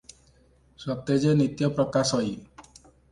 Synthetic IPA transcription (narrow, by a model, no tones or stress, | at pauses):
sɔt̪ed͡ʒenit̪jɔpɾɔkasɔi